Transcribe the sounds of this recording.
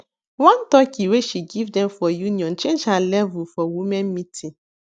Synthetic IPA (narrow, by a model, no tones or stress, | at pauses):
wãnt̪ɔkiweʃiɡivdɛ̃mfɔjunĩɔ̃nt͡ʃɛ̃d͡ʒalɛvufɔwumɛ̃mmĩtʰi